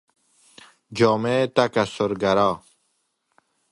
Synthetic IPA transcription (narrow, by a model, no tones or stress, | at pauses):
d͡ʑɔːmet̪ɐkasoɾɡɐɾaː